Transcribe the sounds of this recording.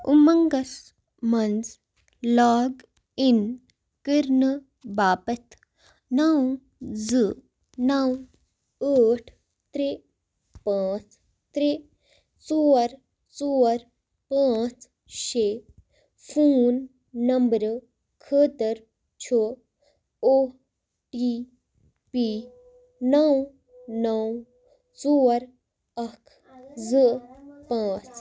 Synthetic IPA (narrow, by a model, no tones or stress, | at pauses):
umɐŋɡɐs | mɐnd͡z | laːɡ | in | kiɾnɨ | baːpɐt̪ | naw | d͡zɨ | naw | əːʈʰ | t̪ɾi | pãːt͡s | t̪ɾi | t͡soːɐɾ | soːɐɾ | pãːt͡s | ʃe | fʰuːnː | ɐmbəɾ | kʰət̪əɾ | t͡ɕʰo | o | ʈi | pi | nɐw | nɐw | t͡soːɾ | ɐkʰ | zəpãːt͡s